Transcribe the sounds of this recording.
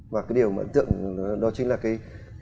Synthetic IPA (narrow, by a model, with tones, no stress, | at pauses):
vaː˨˩kaː˨˦jɗəwmaː˨ə̰˨˧˦nt̪ɨ̰˧˨əŋ˨˦ɗɔ˨˦t͡ɕï˨˦ŋ̟laː˨˩kaː˨˦j